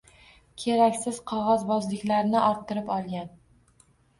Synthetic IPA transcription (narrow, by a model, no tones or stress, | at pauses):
kʲʰeɾakʲsɪz̥qʰɒʁɒzbɒzlɪkʲlaɾnɪʔɒɾt̪ʰːɪɾɪpɒlˠɡʲan